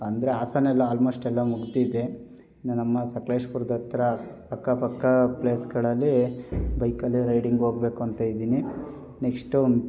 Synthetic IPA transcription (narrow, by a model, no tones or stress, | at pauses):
ɐnd̪ɐɾeaːsanɛlːɐaːlmo̞ːsʈɛlːɐmuɡd̪iːd̪e̞ | nnɐmːɐsɐkleːʂpuɾd̪ɐt̪ɾɐː | kːɐpɐkːɐpleːsɡɐɭɐlːibɐjkɐlːiɾɐjɖiŋɡɦoːɡbe̞ːkuɐnt̪ɐjid̪iːni | neksʈun